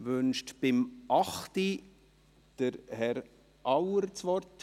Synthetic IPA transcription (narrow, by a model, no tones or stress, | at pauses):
ʋʉnʃtb̥ɪmʔɑχti | d̥əɾhɛɾ | ʔɑwəɾt͡sʋɔɾt